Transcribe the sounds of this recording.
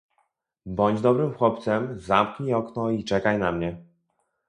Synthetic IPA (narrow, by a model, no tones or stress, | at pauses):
bɔɲd͡ʑd̪ɔbɾɘmxwɔpt̪sɛmzamkɲiɔknɔit͡ʂɛkajnamɲɛ